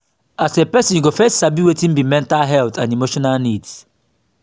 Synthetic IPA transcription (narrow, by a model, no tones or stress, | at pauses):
asepɛsĩnjuɡofɛstsabiwetĩnbimɛ̃ntalɦɛlt̪ãnimoʃɔnalnids